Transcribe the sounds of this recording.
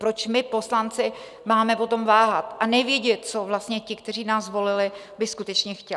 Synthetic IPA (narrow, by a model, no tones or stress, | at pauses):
pɾo̞t͡ʃmɪpo̞slant͡sɪ | maːmɛpo̞t̪o̞mvaːɦat̪ʔanɛvjɛɟɛt̪̚t͡so̞vlast̪ɲɛcɪkt̪ɛriːnaːsvo̞lɪlɪ | bɪskut̪ɛt͡ʃɲɛxcɛ